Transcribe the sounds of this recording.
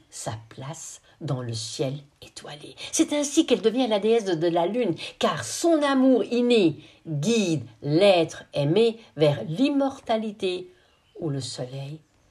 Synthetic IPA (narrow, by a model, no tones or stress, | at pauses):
saplas | d̪ɑ̃ləsjɛl | et̪walesɛt̪ɛ̃sikɛld̪əvjɛ̃alad̪eɛs̬əd̪əlalynkaʁsɔ̃namuʁine | ɡʲid̪lɛt̪χɛmevɛʁlimɔʁt̪alit̪e | uləsɔlɛj